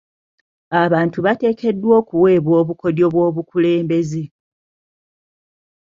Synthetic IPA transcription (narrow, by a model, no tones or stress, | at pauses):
aβaːntuβate̞ːke̞dːwo̞ːkuwe̞ːβwo̞ːβuko̞djo̞βwo̞ːβukule̞ːmbe̞ze